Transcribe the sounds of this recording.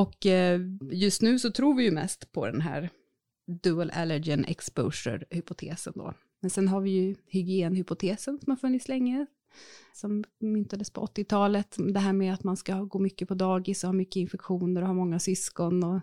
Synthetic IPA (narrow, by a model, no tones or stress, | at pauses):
ɔk | jɵst̪nʉ̟ːsɔt̪ʰɾuːɾvɪjɵmɛ̰st̪pʰɔd̪ɛ̰nɦæ̰ːɾ | d̪ʉːəlʔɛləd͡ʒɪnʔɛ̰kspə̰ːʂə̰ɾhʏpʊt̪ʰḛːsə̰nd̪o̰ː | mɛnsɛnɦaɾvɪjɵhʏɡɪeːnhʏpʊt̪ʰeːsənsɔmhaɾfɵnːɪt̪slɛŋːə | sɔmmʏnt̪ad̪əspʰɔʔɔt̪ːɪt̪ʰɑːlət̪d̪ɛɦæːɾmɛat̪manskahɡoːmʏkːəpʰɔd̪ɑːɡɪsɔhɑːmʏkːəɪnfɛkɧuːnəɾɔhaːmɔŋːasʏskɔnɔ